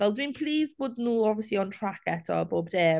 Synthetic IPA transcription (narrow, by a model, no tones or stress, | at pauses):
vɛlˠdwinpʰliːzboːdnuːɔviəsliɔntʰɹ̥akɛtʰɔ̰boːbdeː